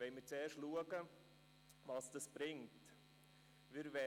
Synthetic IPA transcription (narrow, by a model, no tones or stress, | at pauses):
vɛɪmɪt͡sɛːɾʃtluəɡə | vɑsd̥ɑsb̥ɾɪŋt | vɪɾvɛ